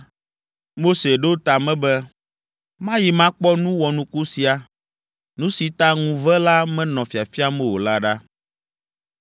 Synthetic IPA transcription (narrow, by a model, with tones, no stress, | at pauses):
mo˦se˨ɖo˦t̪a˨mɛ̃˦bɛ˦ | mã˦ji˨mã˦k͡pɔ˦nũ˦wɔ˨nũ˦ku˦si˨a˨ | nũ˦si˨t̪a˦ŋũ˨vɛ˦la˦mɛ̃˦nɔ̃˨fi˨a˨fi˦a˦mɛ̃˦wo˨la˦ɖa˦